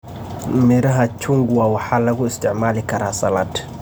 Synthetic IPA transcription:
miɾaɦat͡ʃuŋɡuwawahalakuistɪʕmalikaɾasalat

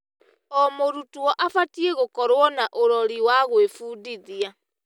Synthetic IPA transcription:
ɔmoɾutuwɔʔafatieɣokɔɾwɔnaʔoɾɔɾiwaɣwefuːdiðia

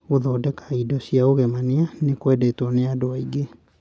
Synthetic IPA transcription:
oðɔːdɛkḁidɔsiaoɣɛmanianekwɛdɛtɔneadoaiɡe

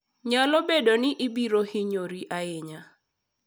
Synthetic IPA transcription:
ɲalobedonɪʔɪbiɾohɪɲoɾiʔaɪɲa

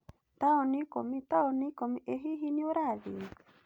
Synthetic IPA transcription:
t̪aonikomit̪aonikomiʔeɦiɦinioɾaðḭ

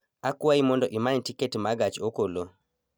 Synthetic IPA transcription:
akwaimɔndɔʔimaɲɲtiketmaɡat͡ʃokolo

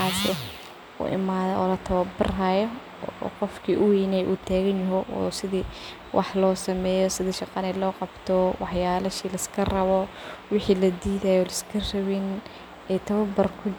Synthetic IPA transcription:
aːsɛ | ʊ̰ʔɪ̰maːðɔɔ̰ːlɐt̪ʰɐwɐbɪraːjɔ̰ | qɔfkʰiːʔʊwijnɛjʔuːt̪ʰaːɣɐnjɐɦɔʔɔ̰ːsɪðiː | wʔɑ̰ħlɔːsɐmɛːjɔsɪðiʃɑqɑnɛlɔːqɑbt̪ʰɔwɑħjaːlɐʃiːlɐɪskʰɐrɐβɔwɪħiːlɐd̪iːðajɔːlɐskʰɐrɐβɪn | ɛt̪ʰɐβɐbɐrkʰʊ

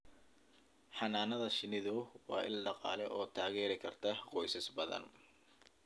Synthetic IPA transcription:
ħɑnaːnɐðɐʃɪnɪðʊwɑ̰ːʔɪ̰lɖɑqɑ̰ːlɛʔɔːt̪ʰaːɣɛːɾɪkʰɐrt̪ʰɐqɔjsɪsbɐðɐ̰n

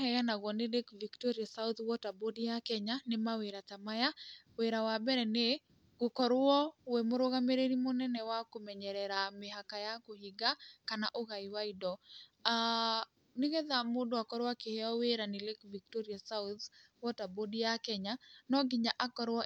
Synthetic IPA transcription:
ɦɛɣanaɣɔnɪlekviktoɾiasaut̪wɔtabodjakɛɲanɪmaweɾatamajaweɾawabɛɾɛne | ɡ̥ʊkɔɾʊɔwemoɾoɣameɾeɾimonɛnɛwakomɛɲɛɾɛɾamɪɦakajakohiɡakanaʔoɣaiwaidɔa | nɪɣɛðamodʊakɔɾwakɪhɛɔweɾanɪlekviktoɾiasaut̪ | wɔtabodijakɛɲanɔɡɪɲaʔakɔɾwɔ

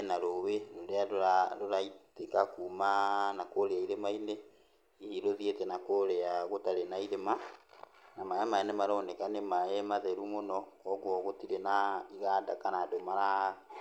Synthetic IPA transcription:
naɾoweɾoɾeaɾoaɾoɾaitekakumanakoɾeaiɾemaine | iiɾoðietɛnakoɾɛaɣotaɾenaiɾema | namaɛmaɛnemaɾɔːnɛkanemaɛmaðɛɾumonɔkɔɡwɔɣotiɾenaiɣadakanaːdomaɾa

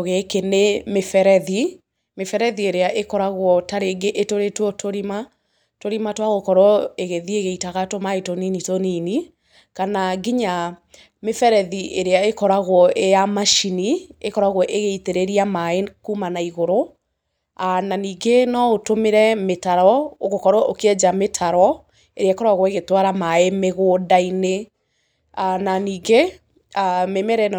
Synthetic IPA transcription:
ɣekenemefɛɾɛði | mefɛɾɛðieɾeaʔekɔɾaɣwɔtaɾeɡeʔetoɾetwɔtʰoɾima | toɾimatwaɣokɔɾɔeɣeðieɣeitaɣatomaetoninitonini | kanaɡiɲa | mefɛɾɛðiʔeɾeaekɔɾaɣwɔʔejamaʃiniekɔɾaɣwɔʔeɣeiteɾeɾiamaekumanaiɣoɾo | ananiːɡenɔotomeɾɛmetaɾɔoɣokɔɾɔokeɛd͡ʒametʰaɾɔ | eɾeaekɔɾwaɣwɔeɣetwaɾamaemeɣoːdaine | ananiːɡe | amemɛɾɛn

